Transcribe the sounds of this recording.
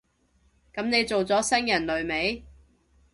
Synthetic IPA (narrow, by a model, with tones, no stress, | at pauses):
kɐ˨˥mne˨˧jt͡so˨wt͡sɔː˨˥sɐ˥ŋjɐ˨˩nlɵ˨˧ɥme˨˥j